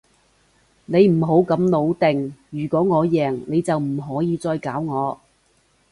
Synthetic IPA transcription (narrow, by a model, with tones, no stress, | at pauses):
ne˨˧jm̩˨˩ɦo˨˥wkɐ˨˥mlo˨˧wt̪ɪ˨˩ŋjyː˨˩kʷɔː˨˥ŋɔː˨˧jɛː˨˩ŋne˨˧jt͡sɐ˨wm̩˨˩ɦɔː˨˥jiː˨˧t͡sɔː˧jkaː˨˥wŋɔː˨˧